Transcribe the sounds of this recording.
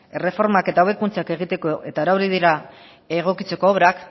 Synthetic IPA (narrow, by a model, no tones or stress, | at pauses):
e̞re̞fo̞ɾmake̞t̪aoβe̞kunt͡sake̞ɣ̞it̪e̞ko̞e̞t̪aeɾawɾiðiɾa | eɣ̞o̞kit͡se̞koːβɾak